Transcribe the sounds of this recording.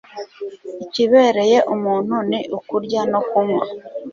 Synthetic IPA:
iciβe̞ːɾe̞je̞ʔumuːn̥huniʔukuɾɟano̞kumwa

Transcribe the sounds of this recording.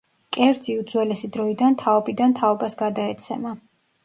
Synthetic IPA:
kʼɛɾd̪ziud̪zwɛlɛsid̪ɾɔid̪ant̪ʰaɔbid̪ant̪ʰaɔbasɡad̪aɛt̪sʰɛ̰ma

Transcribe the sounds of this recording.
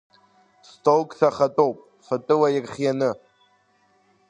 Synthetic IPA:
stʰowkʼsaχatʼowpʼ | fatʼɨwajɪrχʲjanɨ

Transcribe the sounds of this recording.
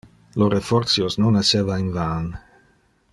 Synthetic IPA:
lorefɔrt̪sjosnonasevainvan

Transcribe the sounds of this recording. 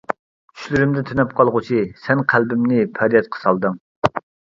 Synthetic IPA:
t͡ʃ̪ʰy̥ʃlyɾymd̪ɪt̪ʰynɛp̚qʰɑlˠʁʊt͡ʃʰisɛnqʰælbɪmnɪpʰɛɾjɛt̪̚qʰə̥sɑlˠd̪ɨŋ

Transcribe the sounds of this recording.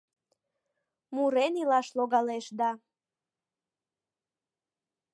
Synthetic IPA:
muɾenilɑʃloɣɑleʃd̪ɑ

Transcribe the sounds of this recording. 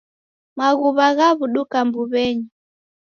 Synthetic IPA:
maɣuβaɣaβuɗukambuβɛɲi

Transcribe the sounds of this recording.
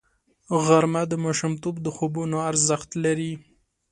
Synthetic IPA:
ɣaɾmad̪əmoʃɪmt̪obd̪əxobunoaɾzəxt̪laɾi

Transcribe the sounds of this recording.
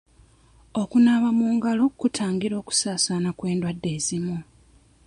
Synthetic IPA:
o̞kunaβamuːŋɡalo̞kutʰaːŋɡiɾo̞ːku̥saːsanakwe̞ːndwadːe̞ːzimu

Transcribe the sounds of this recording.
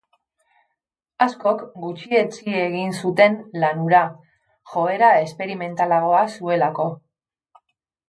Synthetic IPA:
asko̞kɡut͡ʃie̞t͡sie̞ɣinsut̪e̞nlanuɾa | ʝo̞e̞ɾae̞spe̞ɾime̞nt̪alaɣo̞asue̞lako̞

